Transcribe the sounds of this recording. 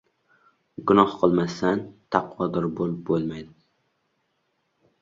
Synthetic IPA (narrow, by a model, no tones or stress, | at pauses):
ɡʊnɒhqʰɨlˠmasant̪ʰɑqwɒd̪ɪɾbolˠɪp̚bolˠmajd̪ɪ